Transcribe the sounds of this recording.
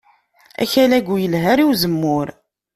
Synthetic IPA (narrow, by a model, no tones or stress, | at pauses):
æ̰çælæɡʷujəlɦæɾiwzəmːʊɾ